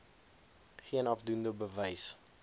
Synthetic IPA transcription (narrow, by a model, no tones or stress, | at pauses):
χiənɑfdundəbəvɛjs